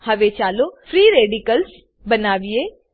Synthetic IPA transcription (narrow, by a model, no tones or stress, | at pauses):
hɐʋet͡ʃaːlofɾiːɾeːɖikəls | bɐnaːʋie